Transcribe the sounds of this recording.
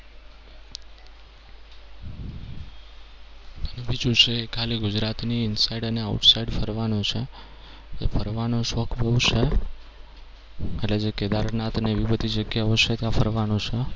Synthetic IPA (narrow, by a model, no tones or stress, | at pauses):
nəʋid͡ʒũt͡ʃʰekʰaliɡʊd͡ʒɾat̪niːnsaiɖəneaʊʈsaiɖfʰəɾʋanõt͡ʃʰe | d͡ʒḛfʰəɾʋanõʃɔkʰbəʋt͡ʃʰe | eʈled͡ʒeked̪aɾnat̪neʋibət̪id͡ʒəɡjaɦoʃʰet̪jãfʰəɾʋanõt͡ʃʰe